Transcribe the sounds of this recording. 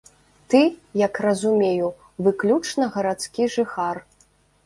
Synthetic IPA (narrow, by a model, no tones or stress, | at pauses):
t̪ɨjɐkrɐzumʲeju | vɨklʲut͡ʂnɐɣɐɾat̪skʲiʐɨxar